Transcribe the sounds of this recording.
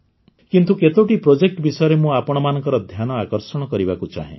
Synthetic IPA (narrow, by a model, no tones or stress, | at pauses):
kint̪uket̪oʈipɾod͡ʒek̚ʈbisɔjɔɾemũapɔɽ̃ɔmanɔ̃ŋkɔɾɔd̪ʱjanɔakɔɾsɔɽ̃ɔkɔɾibakut͡ʃa̰ɦḛ̃